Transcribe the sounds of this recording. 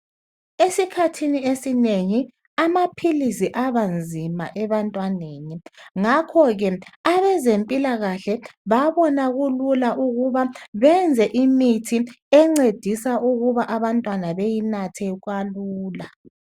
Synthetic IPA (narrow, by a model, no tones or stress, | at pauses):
esikʰatʰiniesineŋi | amapʰilisiʔaβand͡zʱimaʔɛβantʼwaneːniŋakʰɔɣɛaβɛzempʼilaɣaɬɛβaβɔnaɣululaʔuɣuβaβɛnd͡zʱɛʔimitʰi | ɛŋ͡ǀed̥ʱisaʔuɣuβaʔaβantʼwanaβejinatʰɛɣwaluːla